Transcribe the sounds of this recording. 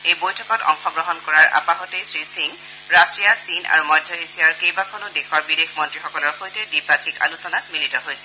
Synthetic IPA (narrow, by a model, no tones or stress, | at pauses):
ejbojtʰɔkɔtɔ̰ŋxɔɡɹɔɦɔnkɔɹaɹʔa̰paɦɔtejsɹisiŋ | ɹastɹijasina̰ɹumɔjdʱjɔisiaɹkejbakʰɔnʊdexɔɹbidexmɔntɹixɔkɔlɔɹxojtɛdipakʰika̰lusɔnat̚militɔɦojsɛ̥